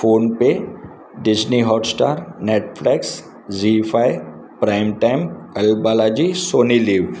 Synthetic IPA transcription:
foːnpe | ɖɪd͡ʒniɦɔːʈsʈa̰ːɾneːʈfleːks | d͡ʒifʰaːi | pɾaːɪmʈaɪ̃mɛlbaːlaːd͡ʒisoːniliːʋ

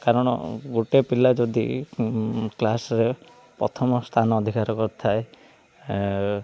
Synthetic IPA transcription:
kaɾɔɽ̃ɔ̰ɡuʈepilad͡ʒod̪ḭ | klasɾe | pɾɔ̰t̪ʰɔmɔst̪ʰanɔɔd̪ʱikaɾɔkɔɾt̪ʰae

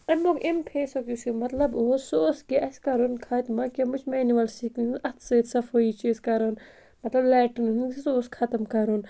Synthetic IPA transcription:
ɐnbokempʰeːsokʲusumɐt̪lɐboːsoːskeʔɐskɐɾonkʰaːt̪ʲmɐkʲemut͡ʃʰmeːniʋɐlsiːkniunɐt̪ʰsɐt̪sɐfoit͡ʃeːskɐɾon | mɐt̪lɐblɛːʈɐnunnsoːskʰɐt̪ɐmkɐɾon

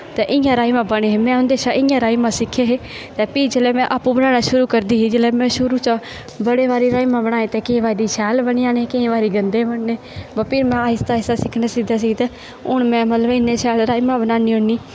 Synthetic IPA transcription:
t̪ɛːʔɪjãːɾaːimãːbəɽeːɦeːmɛ̃ːʊnd̪eːʃaʔɪjãːɾaːiːmãːsɪkʰːeːɦeː | t̪ɛːpiːd͡ʒɪlɛːmɛ̃ːʔapũːbənaːnaːʃʊɾuːkəɾd̪iːiːd͡ʒɪlɛːmɛ̃ːʃʊɾuːt͡ʃa | bəɽeːʋaːɾeːɾaːiːmãːbəɽ̃aːẽːt̪ɛːkɪ̃ːʋaːid̪iːʃʰɛːlbəɳiãːnekɪẽːʋaːɾiːɡənd̪eːbəɳneː | bəpɪɾmɛ̃ːaːɦɪst̪aːɪsaːsɪkʰneːsɪɡd̪aːs̬iɡt̪ɛː | ʊɳmɛ̃ːmət̪ləbɪnːẽːʃʰɛːlɾaːimãːbənaːniːoniː

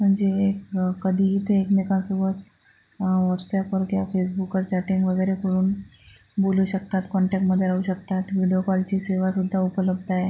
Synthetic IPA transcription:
m̤əɳd͡zeːkkəd̪ʱiːɦiːt̪eekmekãnsobət̪ | ʋɔʈsɛpəɾkjafes̬bukːəɾt͡ɕaʈiŋɡʋəɡəjɾekoɽuːn | boluɕəkt̪at̪kɔɳʈɛk̚ʈməd̪ʱːjeauɕəkt̪at̪ʋiɽijokɔlt͡ɕiːseʋasud̪ʱːaupələb̚d̪aje

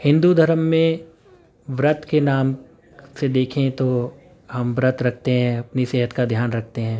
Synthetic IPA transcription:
hɪ̃nd̪ud̪ʱɐɾəmːẽ | ʋɾət̪kenaːm | sed̪eːkʰẽt̪o | ɦɐmʋɾət̪ɾɐkʰt̪eɦɛ̃ɐpniseːɦət̪kad̪ʱjaːnɾɐk̚ʰt̪eɦɛ̃ː

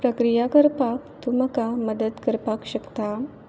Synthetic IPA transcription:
pɾɐkɾijakɐɾpakt̪umɐkaməd̪əd̪kɐɾpakɕɐkt̪a

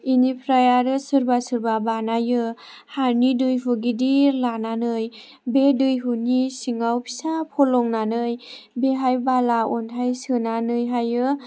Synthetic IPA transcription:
inipʰɾajaɾɯsɯɾbasɯɾbabanajɯ | haɾnidɯjɦuɡidilananɯj | bedɯjɦunisiŋawpʰi̥sapʰɔlɔŋnanɯjbeɦajbalaɔntʰajsɯnanɯjɦajɯ

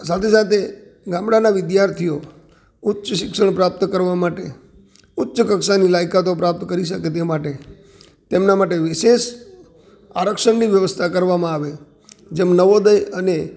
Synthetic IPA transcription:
sat̪ʰesat̪ʰe | ɡãmɽanaʋɪd̪jaɾt̪ʰijo | ʊtːʃəʃɪkʃəɳpɾap̚t̪kəɾʋamaʈe | ʊtːʃəkəkʃanilajkat̪opɾap̚t̪kəɾiʃəket̪emaʈe | t̪emnamaʈeʋɪʃeʃ | aɾəkʃəɳniʋjəʋəst̪ʰakəɾʋamãaʋe | d͡ʒemnəʋod̪əjəne

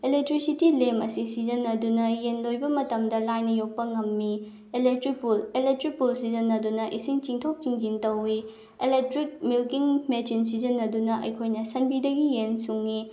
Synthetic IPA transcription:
elek̚tɾisitilemɐsisizɐnːɐdunɐjenlojbɐmɐtɐmdɐlajnɐjok̚pɐŋɐmːi | elek̚tɾik̚pulelek̚tɾik̚pulsizɐnːɐdunɐʔisiŋt͡ʃiŋtʰowp̚t͡ʃiŋd͡ʒintɐwi | elek̚tɾik̚milkiŋmet͡ʃins̬izɐnːɐdunɐʔɐ̰jkʰojnɐsɐnbidɐɡijensuŋːi

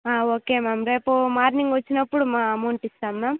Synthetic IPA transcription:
aːoːkeːmaːmɾepːomaːɾniŋɡʋɐt͡ʃːinɐpːuɽumaːɐmɐwɳʈist̪aːnːaːm

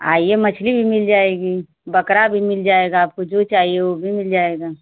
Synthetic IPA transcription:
a̰ːiemɐt͡ʃʰlibʱimɪld͡ʒaːeːɡiː | bɐkɾabʱimɪld͡ʒaːeːɡaːp̚kod͡ʒot͡ʃaːɦieobʱimɪld͡ʒaːeːɡaː

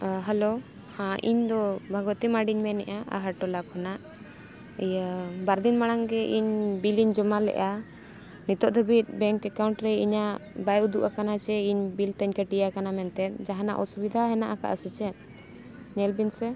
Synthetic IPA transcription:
ɦɛlo | hãʔḭɲd̪ɔbʱaɡɔt̪imaɖiɲmɛnɛʔaʔa̰ɦaʈɔlakʰɔnaʔ | jbaɾd̪inmaɽ̃aŋɡɛʔiɲbiliɲd͡ʒɔmalɛ̰ʔa | nit̪ɔʔd̪ʱəbit̪̚bɛŋkɛkawɳʈɾɛiɲaʔbajud̪uʔakanat͡ʃɛiɲbilt̪əɲkəʈijakanamɛnt̪ɛt̪̚d͡ʒaɦana̰ʔɔsubid̪ʱaɦɛnaʔaka̰ʔasit͡ʃɛt̪̚ | ɲɛlbinsɛ

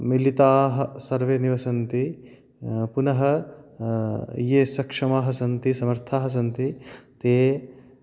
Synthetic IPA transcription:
milit̪aːɦɐ̆sɐɾʋeːniʋɐsɐnt̪i | punɐɦɐ | jeːsɐkʂɐmaːɦɐsɐnt̪isɐmɐɾt̪ʰaːɦɐs̬ɐnt̪it̪eː

